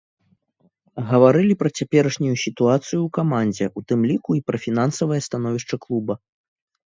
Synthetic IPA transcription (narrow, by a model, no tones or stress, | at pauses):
ɣɐvaɾɨlʲipɾɐt͡sʲapʲɛɾɐʂnʲujusʲit̪uat̪sɨjukamanʲd͡zʲɛʔut̪ɨmlʲikuipɾɐfʲin̪ansɐvɐjɐst̪anɔvʲiʂt͡ʂɐklˠubɐ